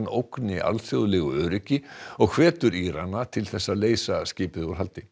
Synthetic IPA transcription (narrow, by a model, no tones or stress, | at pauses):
nowknɪʔa̰lθjowðlɛɣʏœːɾʏcɪɔɣkʰv̥ɛːt̪ʏɾiɾanːat̪ʰɪlθɛsːaleːjsascɪːpɪðuɾ̥ɦalt̪ɪ